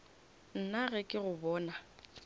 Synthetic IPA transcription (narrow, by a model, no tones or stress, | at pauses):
n̩naɣɛkʼɪɣʊbɔːna